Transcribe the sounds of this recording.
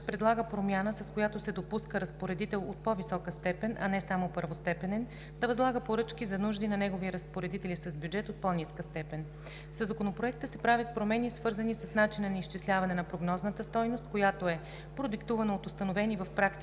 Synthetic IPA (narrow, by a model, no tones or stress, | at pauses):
pɾɛd̪lˠaɡəpɾomʲjanəsɐskojat̪osɛd̪opuskəɾɐspoɾɛd̪it̪ɛlˠo̰t̪̚pɔvisɔkəst̪ɛpɛnʔɐ̰nɛsamopəɾvost̪ɛpɛnɛn | d̪ɐvɐzlˠaɡəpoɾɤt͡ʃkizɐnuʒd̪inɐnɛɡoviəɾɐspoɾɛd̪it̪ɛlisɐzbʲjud͡ʒɛt̪ot̪̚pɔniskəst̪ɛpɛn | səzɐkonopɾoɛk̚t̪əsɛpɾavʲət̪̚pɾomɛnisvɤɾzənisɐsnat͡ʃinənɐiʃt͡ʃislʲavɐnɛnɐpɾoɡnɔznət̪əst̪ɔjnost̪̚kojat̪oɛ | pɾod̪ikt̪uvənəot̪ʊst̪ɐnovɛnivɐfpɾakt̪i